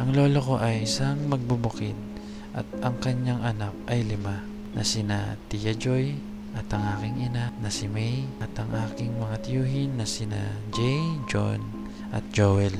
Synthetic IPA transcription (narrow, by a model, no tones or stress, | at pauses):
ʔɐŋloːloko̞ʔɐjɪsaŋmɐɡ̚bubʊkɪd̪̚ | ʔɐ̰t̪̚ɐŋkɐɲjaŋʔɐnak̚ʔɐjlɪma | nʔɐ̰sɪnat̪ijad͡ʒoj | ʔɐt̪ɐŋʔaːkɪŋɪnanɐsɪmɛjʔɐt̪ɐŋʔaːkɪŋmɐŋat̪ɪjuːɦɪnːɐsɪna̰d͡ʒɛjd͡ʒo̰n | ʔɐ̰t̪̚d͡ʒowɛl